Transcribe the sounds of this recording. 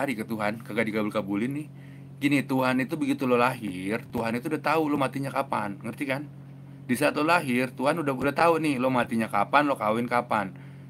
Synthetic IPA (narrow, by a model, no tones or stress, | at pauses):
aɾikət̪uɦankaɡadiɡabʊlkabulɪnːɪh | ɡinit̪uɦanit̪ubəɡit̪ulolaɦɪrt̪uɦanit̪uːdaht̪aulomat̪iɲakapa̰nŋərt̪ikan | disiat̪lolaɦɪrt̪uɦanudaudaht̪aunɪhlomat̪iɲakapanlokawɪnkapan